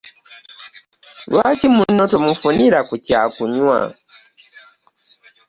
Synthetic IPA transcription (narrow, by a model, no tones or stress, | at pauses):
lwaːcimunotomufuniɾakuca̰kuɲwa̰